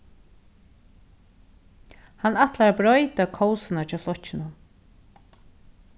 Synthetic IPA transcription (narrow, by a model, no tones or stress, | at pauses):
hanaht̪laɾabɾɔʏt̪akʰɔwsɪnat͡ʃʰɛːflɔht͡ʃːɪnʊ